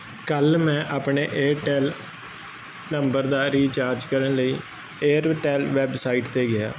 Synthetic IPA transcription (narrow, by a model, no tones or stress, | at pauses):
kəlmɛ̃ːʔaːpɳeːʔeːɾʈɛːl | nəmbəɾd̪aːɾiːt͡ʃaːɾd͡ʒkəɾənləiː | eːɾʈɛːlʋɛːbsaːiːʈt̪eːɡɪa̰ː